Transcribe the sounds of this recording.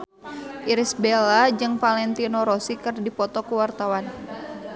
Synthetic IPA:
ʔiɾisbelad͡ʒɨŋpalɛnt̪inoɾosikɨrdipɔt̪ɔkuwart̪awan

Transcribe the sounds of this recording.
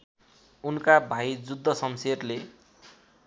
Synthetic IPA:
unkabʱajd͡zud̪ʱːʌsʌmserle

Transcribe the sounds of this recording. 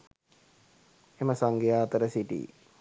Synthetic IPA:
eməsaŋɡejaːt̪əɾəsiʈḭː

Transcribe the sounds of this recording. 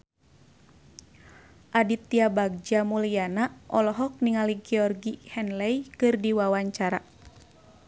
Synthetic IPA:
ʔadit̪ːiabaɡ̚d͡ʒamulijanaʔɔlɔɦɔk̚niŋaliɡɛɔrɡihɛnlɛikɨrdiwawaɲt͡ʃaɾa

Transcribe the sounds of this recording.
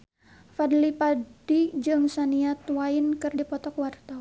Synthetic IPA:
fadlipadid͡ʒɨŋsaniat̪wainkɨrdipɔt̪ɔkwart̪aw

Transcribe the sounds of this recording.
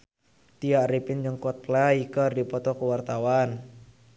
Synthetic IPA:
t̪iaʔripɪnd͡ʒəŋkɔt̪̚laikərdipɔt̪ɔkəwart̪awan

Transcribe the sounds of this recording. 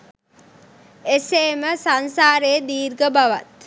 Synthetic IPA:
eseːməsansaːɾeːd̪iːɾɡəbaʋat̪

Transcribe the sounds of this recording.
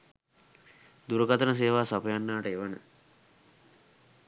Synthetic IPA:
d̪uɾəkat̪ənəs̬eːʋaːsapəjanːaːʈəeʋənə̰

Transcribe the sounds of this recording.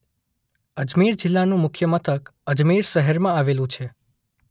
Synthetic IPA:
əd͡ʒmiɾd͡ʒɪlːanũmʊkʰjəmət̪ʰəkəd͡ʒmiɾʃəɦəɾmãaʋelũt͡ʃʰe

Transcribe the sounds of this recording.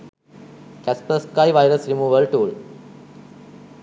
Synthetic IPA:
kɛspəskaɪʋaɪɾəsɾimuːʋəlʈuːl

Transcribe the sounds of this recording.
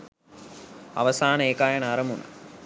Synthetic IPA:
a̰ʋəsaːnəeːkaːjənəaɾəmuna̰

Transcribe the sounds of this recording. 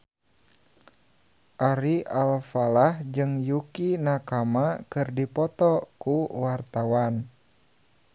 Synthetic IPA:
ʔaɾiʔalfalahd͡ʒɨŋjukinakamakɨrdipɔt̪ɔkuwart̪awan

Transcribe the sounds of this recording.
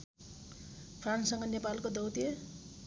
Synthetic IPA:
pʰranssʌŋɡʌnepalkod̪ʌwt̪ie

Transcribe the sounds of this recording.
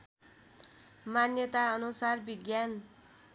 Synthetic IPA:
manjʌt̪aʌnusarbiɡjan

